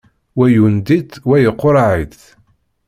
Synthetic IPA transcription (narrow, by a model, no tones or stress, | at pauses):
wæjund̪it̪wæjəqːoɾˤaʕiθ